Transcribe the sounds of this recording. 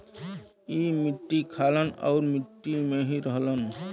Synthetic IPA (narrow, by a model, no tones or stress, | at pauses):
imiʈːikʰaləna̰wɾmiʈːimeɦiɾɔɦlən